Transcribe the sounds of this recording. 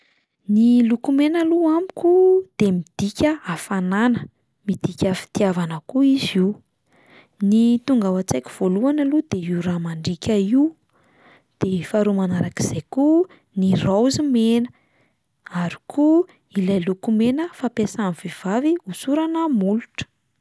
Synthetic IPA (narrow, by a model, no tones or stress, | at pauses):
nilukumenəluamikʲud̪̥emid̪̥ikʲəafananə | mid̪̥ikʲəfi̥t̪iavanəkuiziw | nit̪uŋɡawat͡sajkʲi̥v̥oluanəlud̪̥eiwɾamaɳɖ͡ʐikʲəiw | d̪̥efaɾumanaɾaki̥z̥ajku | nirawzimenə | aɾi̥kʰu | ilajlukumenəfapesaniv̥iv̥aviusuɾanəmuluʈ͡ʂə̥